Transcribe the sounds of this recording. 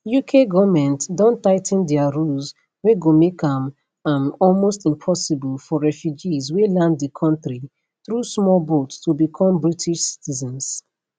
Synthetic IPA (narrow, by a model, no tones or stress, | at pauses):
jukʰeɡɔvmɛ̃ntdɔ̃ntaɪtʰn̩dɛaɹus | weɡomekãm | ãmɔlmostĩmpʰɔsibɔlfɔɹɛfjud͡ʒizwelãndðəkʰɔ̃ntɹi | θɹusmɔlbottubikʰɔ̃mbɹitʰiʃsi̥tʰizɔ̃ns